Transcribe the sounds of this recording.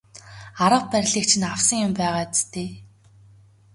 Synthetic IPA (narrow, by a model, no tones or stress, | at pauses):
aɾə̆wpæɾʲɮiːk̚t͡ɕʰɪ̆naw̥sə̆ŋjʊmpæːʁaːt͡st̪eː